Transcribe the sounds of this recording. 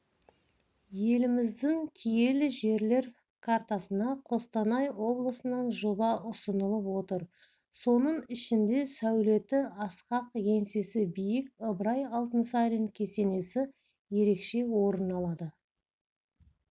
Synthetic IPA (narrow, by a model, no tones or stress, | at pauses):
je̞lɪmɪzd̪ɪŋkʲʰije̞lɪʒe̞ɾle̞ɾ | kʰart̪ɑsənɑqʰo̞st̪ɑnɑjwo̞blˠəsənɑnʒobɑʔʊsənəlˠəpwo̞t̪əɾ | so̞nəɴʏʃɪnd̪e̞sæwle̞t̪ɪɑsqɑqje̞nse̞sɪbijɪkʲəbɾɑjɑlˠt̪ənsɑɾʲenkʲʰe̞se̞ne̞sɪ | je̞ɾe̞kʃe̞wo̞ɾənɑlˠɑd̪ə